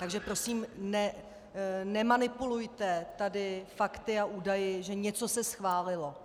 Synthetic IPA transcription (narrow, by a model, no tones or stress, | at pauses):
t̪aɡʒɛpɾo̞siːmnɛ | nɛmanɪpulujt̪ɛt̪adɪfakt̪ɪaʔuːdajɪʒɛɲɛt͡so̞sɛsxvaːlɪlo̞